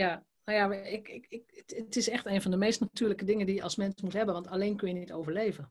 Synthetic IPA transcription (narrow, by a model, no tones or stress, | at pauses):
ja | nojaɪkɪkɪkətɪsɛxteːnvɔndəmejstnatyːləkədɪŋəndijəʔɔlˠsmɛnsmutɦɛbənʋɑ̃ntaleːnkønjənitoːvəɹleːvən